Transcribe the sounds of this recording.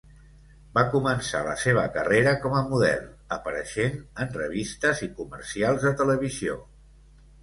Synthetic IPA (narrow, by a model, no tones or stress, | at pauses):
bakumənsa̰lə̰seβ̞əkəreɾəkɔməmuðɛ̰lˠ | əpəɾəʃenənrəβist̪əzikumə̰ɾsialˠzðət̪ələβizio